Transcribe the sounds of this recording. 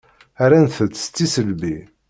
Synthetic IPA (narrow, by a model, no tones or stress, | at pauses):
aɾanθət͡s̪ːst̪ːisəlbi